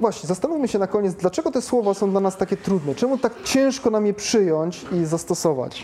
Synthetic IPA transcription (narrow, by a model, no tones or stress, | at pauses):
vwaɕɲɛzast̪anufmɘɕɛnakɔɲet̪d̪lat͡ʂɛɡɔt̪ɛswɔvasɔ̃w̃d̪lanast̪akʲɛt̪ɾud̪nɛt͡ʂɛmut̪akt͡ɕɛ̃ʂkɔnamjɛpʂɘjɔɲt͡ɕizast̪ɔsɔva̰t͡ɕ